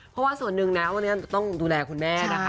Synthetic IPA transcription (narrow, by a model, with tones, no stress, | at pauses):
pʰɔ˦˥waː˥˩su˨˩ənːɯ˨˩ŋna˦˥wa˧nːi˦˥˨t͡ɕa˨˩t̪ɔ˥˩ŋduː˧lɛː˧kʰu˧nmɛː˥˩na˦˥kʰa˦